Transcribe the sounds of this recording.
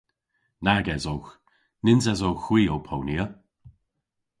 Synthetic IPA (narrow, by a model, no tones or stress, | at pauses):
naɡɛzowx | nɪnzɛzowxw̥iːowpʰowniə